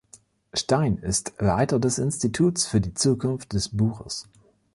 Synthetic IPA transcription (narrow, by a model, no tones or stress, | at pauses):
ʃtaɪnɪstla̰ɪtɐdɛsɪnstitʰuːsfyːɐdiːt͡suːkʰʊnft̚d̥ɛsb̥uːxə̰s